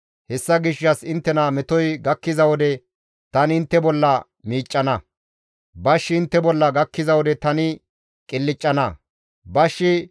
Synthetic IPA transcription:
hɛsːɐɡɪʃːɐsɪnt̪ːɛnɐmɛt̪ɔjɡɐkːɪzɐwɔd̪ɛ | t̪ɐnɪɪnt̪ːɛbɔlːɐ | miːt͡ʃʼːɐnɐ | bɐʃːɪɪnt̪ːɛbɔlːɐɡɐkːɪzɐwɔd̪ɛt̪ɐnɪ | kʼɪlːɪt͡ʃʼːɐnɐ | bɐʃːɪ

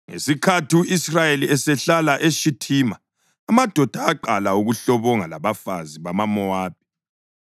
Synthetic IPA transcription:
ŋḛsikʰatiuʔisrajeliɛsɛɬalaʔeʃitʰiːmaː | mad̥ʱɔd̥ʱaːǃalauɣuɬɔβɔŋalaβafaziβamamɔaːb̥̚ʱi

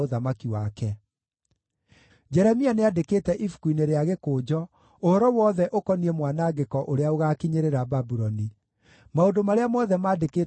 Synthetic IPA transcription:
oðamakiwakɛ | d͡ʒɛɾɛmianeadekeːtɛʔifu̥kwineɾeaɣekoːd͡ʒɔ | ohɔɾɔwɔðɛʔokɔniɛmwanaɡekɔʔoɾeaoɣakiɲeɾeɾababuɾɔni | maondomaɾeamɔðɛmaːdeke

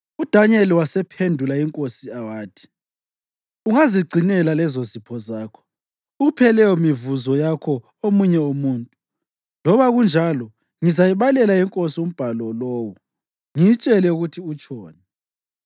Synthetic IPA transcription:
ud̥ʱaɲɛliwasɛpʰendʱulaiŋkʼosiawaːtʰi̥ | uŋaziɡ͡ǀʱinɛlalɛzozipʰɔzaːkʰɔ̥ | uɣupʰɛlɛjɔmivuzɔjakʰɔ | omuɲɛomuːntʼu | lɔβaɣund͡ʒʱalɔ | ŋizajiβalɛlaiŋkʼosium̩b̥ʱalɔloːwu | ŋijit͡ʃʼɛlɛuɣutʰiut͡ʃʰʼɔːnɛ

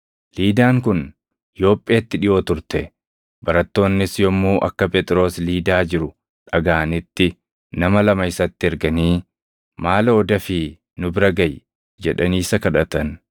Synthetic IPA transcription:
liːd̪aːŋkʊn | ɪjo̞ːpʼːeːt̪ːɪᶑɪʔoːt̪ʊɾt̪ɛ | bɐɾɐt̪ːo̞ːnːɪsjɔmːuːʔɐkːɐpʼɛt̪ʼɪɾo̞ːsliːd̪aːd͡ʒɪɾʊ | ᶑɐɡaːnɪt̪ːɪ | nɐmɐlɐmɐɪsɐt̪ːɪɛɾɡɐniː | maːloːd̪ɐfɪ | nʊbɪɾɐɡɐj | d͡ʒɛᶑɐniːsɐkɐᶑɐt̪ɐn

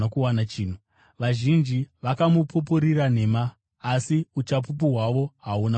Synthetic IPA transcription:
akuwanat͡ʃiːn̤u | ʋaʒind͡ʒiʋakamupup̬uɾiɾan̤e̞maː | siut͡ʃapup̬uɦwaʋo̞ɦauna

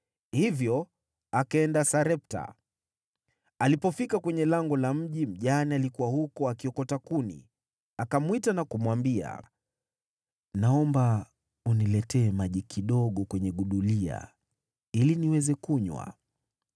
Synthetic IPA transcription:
hivjɔ | akaɛndasaɾɛp̚ta̰ | alipɔfikakwɛɲɛlaŋɡɔlam̩ʄim̩ʄanialikuwahukɔakiɔkɔtakunḭ | akamwitanakumwambia̰ | naɔmba | unilɛtɛːmaʄikʰiɗɔɠɔkwɛɲɛɠuɗulia̰ | iliniwɛzɛkuɲwa̰

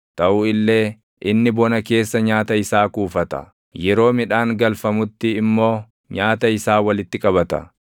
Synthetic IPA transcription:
t̪ɐʔʊɪlːe̞ː | ʔɪnːɪbɔnɐke̞ːsːɐɲaːt̪ɐɪsaːkuːfɐt̪ɐ̰ | jɛɾo̞ːmɪᶑaːŋɡɐlfɐmʊt̪ːɪːmːo̞ː | ɲaːt̪ɐɪsaːwɐlɪt̪ːɪkʼɐβɐt̪ɐ̰

